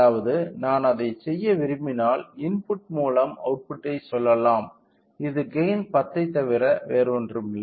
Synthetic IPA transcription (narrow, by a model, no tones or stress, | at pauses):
aːʋɐðɯnaːnɐðɐɪsɛjːɐʋɪɾɯmɪnaːlɪnpʊʈ̚muːlɐmɐ̰ʊʈ̚pʊʈːɐɪsɔlːɐlaːm | ɪðɯɡɐjnpɐt̪ːɐɪt̪ːɐʋɪɾɐʋeːɾɔndrɯm